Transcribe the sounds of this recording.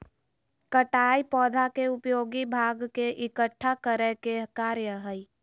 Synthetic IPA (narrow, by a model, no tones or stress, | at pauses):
kəʈaːipɔːd̪ʱakeʊpjoːɡibʱaːɡkeʔɪkəʈʰːakəɾəkekaːɾjəɦəi